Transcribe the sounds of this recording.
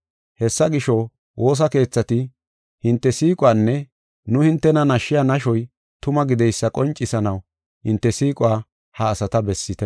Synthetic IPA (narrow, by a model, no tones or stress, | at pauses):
hɛsːɐɡɪʃɔ | wʔo̞ːs̬ɐke̞ːt͡sːɐt̪ɪ | hɪnt̪ːɛsiːkʼwaːnːɛ | nʊhɪnt̪ːɛnɐnɐʃːɪjanɐʃɔj | t̪ʊmɐɡɪd̪ɛjsːɐkʼɔnt͡ʃʼːɪsɐnɐw | hɪnt̪ːɛsiːkʼʊwaː | hɐːsɐt̪ɐbɛsːɪt̪ɛ